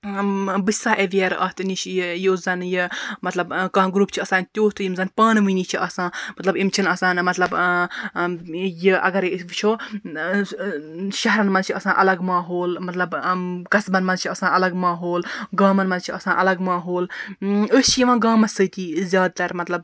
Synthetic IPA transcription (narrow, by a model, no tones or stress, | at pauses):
bɨsaʔeʋijɐɾʔɐt̪ʰnit͡ʃʰjozɐnjimɐt̪lɐbkɐ̃ɦɡɾuːpt͡ʃʰiɐsaːnt̪ʲjoːt̪ʰɨjimzɐnpaːnʋɨnit͡ʃʰiʔɐsãːmɐt̪lɐbimt͡ʃʰinɐsaːnmɐt̪lɐb | jiʔɐ̰ɡɐɾʋt͡ʃʰoː | ʃɐɦɾɐnmɐnt͡ʃʰiɐsãːʔɐlɐɡmaːɦoːlmɐt̪lɐbkɐsbɐnmɐnt͡ʃʰiɐsãːʔɐlɐɡmaːɦoːlɡaːmɐnmɐnt͡ʃʰiʔɐsãːʔɐlɐɡmaːɦoːləst͡ʃʰijiʋãːɡaːmɐsəːt̪iːzʲjaːd̪̚t̪ɐɾmɐt̪lɐb